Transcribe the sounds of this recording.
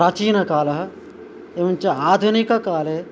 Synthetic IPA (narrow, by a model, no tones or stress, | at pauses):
ɾaːt͡ʃiːnɐkaːlɐɦɐ̆ | eʋunt͡ʃɐaːd̪ʱunikɐkaːle